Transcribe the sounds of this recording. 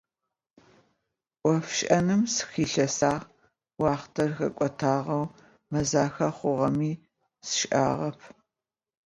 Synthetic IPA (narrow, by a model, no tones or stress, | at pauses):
ʔʷʼɔfʃʼʔɐnɨmsɨ̥xiːɬɐsaːʁ | wɑːχtʰɐrxɐ̰kʷʼɔtʰaːʁɐw | mɐzaːxɐχʷʊʁɐmiː | sɨ̥ʃʔa̰ːʁɐpʰ